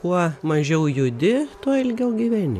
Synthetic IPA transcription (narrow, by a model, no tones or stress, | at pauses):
kuɔmɐʒʲɛʊjʊd̪ʲɪt̪uɔɪlʲɡʲɛʊɡʲiʋʲænʲɪ̰